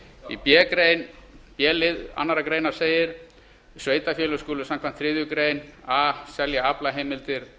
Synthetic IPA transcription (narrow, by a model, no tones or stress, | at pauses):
ḭpjɛːkɾeːjnpjɛːlɪða̰nːaɾakɾejnaɾ̥seːjɪɾ̥ | sveːjt̪afjɛːlʏskɔːlʏsamkʰvant̪θːɾɪːðjʏkɾeːjnaːsɛljaaplaɦeːjmɪlt̪ɪɾ̥